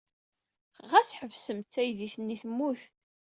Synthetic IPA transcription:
ʁæsħəvsəmt̪θæjðiθnːiθəmːuθ

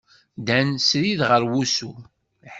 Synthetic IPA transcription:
d̪ænsɾiðʁəɾwusu

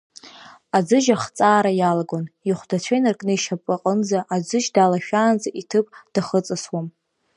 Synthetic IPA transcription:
ad͡zɨʒaχt͡sʼaːɾajalaɡoniχʷdat͡ɕʷʰajnarkʼnɨiʃapʼaqʼənd͡zaʔad͡zɨʒdalaʃᶣaːnd͡zaʔitʰɨpʼd̥aχət͡sʼaswam

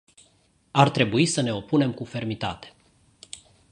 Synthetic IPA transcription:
art̪ɾe̞buisəne̞o̞pune̞mkufe̞rmit̪a̰t̪e̥

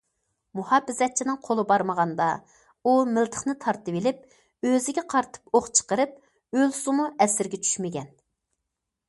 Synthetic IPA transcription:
muhɑbɪzɛt̪̚t͡ʃʰinɪŋqʰolˠɨbɑɾməʁɑnd̪ɑ | umɪlˠt̪ʰə̥χnɨt̪ʰɑɾt̪ɨvɪlɪp̚ | øzɪɡʲɛqʰɑɾt̪ʰɨ̥poχt͡ʃʰə̥qəɾɨp̚ | ølsɨmuʔɛsɪɾɡʲɛt͡ʃʰy̥ʃmɪɡʲɛn

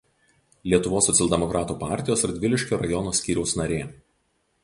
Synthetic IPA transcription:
lʲiɛt̪ʊʋoːsːɔt̪sʲɛlʲˠd̪ʲɛmɔkɾʔɑːt̪uːpɑ̰ˑɾʲt̪ʲɪjoːsɪɾd̪ʲʋʲɪlʲɪʃʲkʲoːɾɐjɔnoːsʲkʲiːɾʲɛʊsnɐɾʲeː

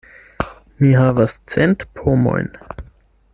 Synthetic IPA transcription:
miɦavast͡sentpʰomo̞̰jn

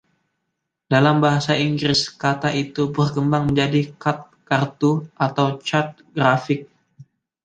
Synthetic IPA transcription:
d̥alambaɦasaiŋɡɾɪskat̪aʔit̪ubərkəmbaŋməɲd͡ʒadikat̪̚kart̪uʔat̪awt͡ʃat̪̚ɡɾafɪk̚

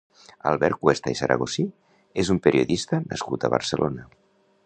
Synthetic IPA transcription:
alˠβɛɾ̚kwest̪aisəɾʔə̰ɣosi | ezumpeɾʔioðist̪ənə̰skut̪əβə̰ɾsəlʔonə

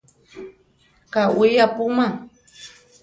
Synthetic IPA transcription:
kawɪjapʊmaŋ

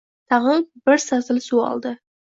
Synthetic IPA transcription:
t̪ʰɑʁəɴbɪɾsɑzəlˠsuɑ̰lˠd̪ə

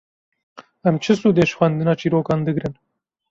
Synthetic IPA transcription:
ɐmt͡ʃʰɪsud̪eʃxwand̪inat͡ʃiɾoːkɑnd̪əɡɾen

